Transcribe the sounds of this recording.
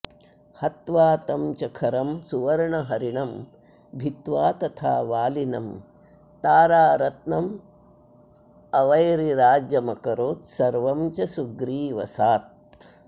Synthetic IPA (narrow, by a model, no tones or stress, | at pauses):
hɐt̪ʋaːt̪ɐmt͡ʃɐkʰɐɾɐmsuʋɐɾɳɐɦɐɾiɳɐm | bʱit̪ʋaːt̪ɐt̪ʰaːʋaːlinɐm | t̪aːɾaːɾɐt̪nɐm | ɐʋɐjɾiɾaːd͡ʒjɐmɐkɐɾoːt̪sɐɾʋɐmt͡ʃɐsuɡɾiːʋɐ̰saːt̪̚